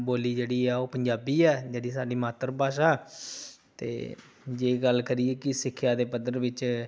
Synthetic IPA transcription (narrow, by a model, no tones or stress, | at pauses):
boːliːd͡ʒeːɽiːɛːoːpəɲd͡ʒaːbiːɛːd͡ʒeːɽiːsaːɖiːmaːt̪əɾəbaːʃaː | t̪ḛː | d͡ʒeːɡəlkəɾiːeːkɪsɪkʰːjaːd̪eːpəd̪əɾʋɪt͡ʃ